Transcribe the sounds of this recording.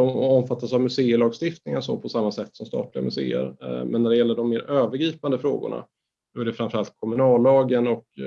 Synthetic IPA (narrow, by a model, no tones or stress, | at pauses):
ɔɔmfat̪ːasavmɵseːəlɑːɡst̪ɪft̪nɪŋaso̰ːpʰɔsamːasɛt̪ːsɔmst̪ɑ̰ːʈ̪lɪɡa̰mɵsḛːə̰ɾmɛ̰nːæɖɛjɛlːəɖɔmːeːɾøːvəɾɡɾiːpand̪əfɾo̰ːɡʊ̰ɳa̰ | sɔæɖɛfɾamfəɾalt̪̚kʰɔmɵnɑːlːɑːɡənɔk